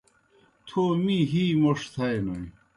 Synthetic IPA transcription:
t̪ʰoːmiɦiːmoʂt̪ʰɐjnoi

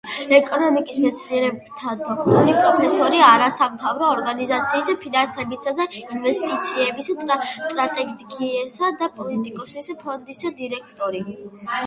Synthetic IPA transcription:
ɛkʼɔnɔmikʼismɛt̪sʰniɛɾɛbt̪ʰad̪ɔkʰt̪ʼɔɾipʼɾɔpʰɛsɔɾiaɾasamt̪ʰavɾɔːɾɡanizat̪sʰiːspʰinansɛbisad̪ainvɛst̪ʼit̪sʰiɛbisʼst̪ʼɾat̪ʼɛɡiɛsad̪apʼɔlit̪ʼikʼɔsispʰɔnd̪isad̪iɾɛkʰt̪ʼɔɾi

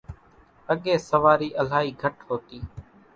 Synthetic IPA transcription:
əɠeːsəʋaːɾiːʔəl̤aːɦiːɡʱəʈhoːt̪iː

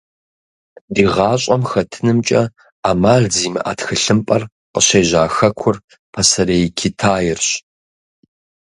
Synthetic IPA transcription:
diːʁɑːɕʼɐmxɐtʰɨnɨmt͡ʃʼɐ | aːmaːɮziːmɨʔa̰ːtxɨɬɨmpʼɐr | qəɕeːʑaːxɐkʷʰʊr | pʰɐsɐɾeːjkʰitʰaːjɪrɕ

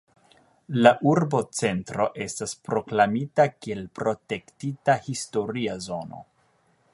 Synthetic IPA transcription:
laʔuɾbo̞t͡se̞ntɾo̞ʔe̞staspɾo̞klamitakie̞lpɾo̞te̞ktitahisto̞ɾiazo̞no̞̰

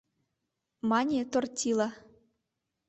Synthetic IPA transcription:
mɑnʲet̪ortʲilˠɑ

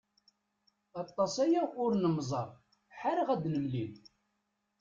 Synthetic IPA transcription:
ɑt̪ˤːɑsˤæjaʊɾnəmzˤɑɾˤ | ħaɾʁæd̪nəmlin

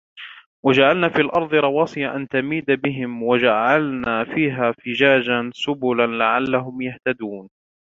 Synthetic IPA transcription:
wad͡ʒaʕalnaːfiːalʔɑɾˤd̪ˤɨɾˤɑwɑːsˤɨjaʔant̪amiːd̪abɪɦɪmwad͡ʒaʕalnaːfiːɦaːfɪd͡ʒaːd͡ʒansʊbʊlanlaʕalːaɦʊmjaht̪ad̪uːn

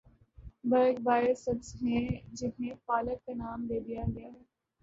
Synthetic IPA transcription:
bɐɾk̚baːɪəsɐbzɦɛ̃d͡ʒɪnɦẽpaːləkːanaːmd̪eːd̪ijaɡɐjaɦɛː

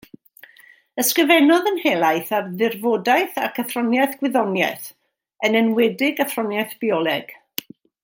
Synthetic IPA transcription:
əskrəvɛnɔðənhelˠajθarðɪrvoːdajθakʰəθrɔnjaθɡ̥wɪðɔnjɛ̰θ | ənɛnwɛdɪɡaθrɔnjaθb̥iɔlˠɛɡ̥

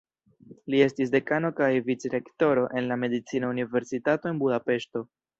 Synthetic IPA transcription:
lie̞stis̬de̞kano̞kajvit͡sɾe̞kto̞ɾo̞ʔe̞nlame̞dit͡sinaunive̞ɾsitato̞e̞nbudape̞ʃto̞

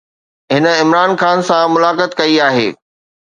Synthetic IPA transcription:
ɦɪnə̆ɪmɾaːnxaːnsãmʊlaːkət̪kɐiaːɦḛː

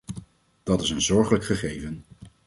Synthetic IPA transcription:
d̥ɑtɪs̬ənzɔɹχələkχəχejvən

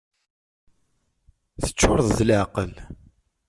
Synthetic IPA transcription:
θə̥t͡ʃːʊɾˤðˤðlʕqəl

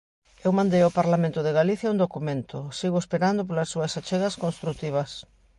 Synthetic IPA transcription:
ewmãnd̪ejopaɾlamẽnt̪ʊðeɣaliθjɐund̪okumẽnt̪ʊsiɣʊespeɾand̪op̬olasːuasat͡ʃeɣaskonst̪ɾuk̚t̪iβ̞ɐs

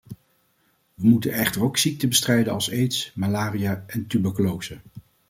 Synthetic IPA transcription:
ʋəmutənɛχtəɹowksik̚təbəstrɛjdənɑlˠsejtsmalaːrijaʔɛntybəkolowsə

